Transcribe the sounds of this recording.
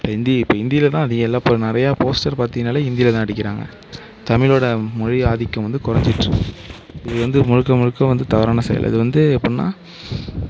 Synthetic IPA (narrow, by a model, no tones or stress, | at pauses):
ɐɪnd̪iɪpːoːɪnd̪ɪjɪlɐt̪ãːɐðɪɣɐɛlːaːpːonɪɾɐjaːpoːsʈɐɾpaːɾt̪ɪŋnaːlɐɪnd̪ɪlɐt̪ãːɐɽɪkːɪɾaːŋɡɐ̰ | t̪ɐmɪloːɽɐmɔɻiaːðɪkːɐ̃ʋɐnd̪ɯkʊɾɐɲd͡ʒɪʈrɯ | ɪðɯʋɐnd̪ɯmʊɻɯkːɐmɔɻɯkːɐ̃ʋɐnd̪ɯt̪ɐʋɐɾaːnɐsɛ̰jɐ̰lʔɐ̰ðɯʋɐnd̪ɯɛpːɐɽna̰ː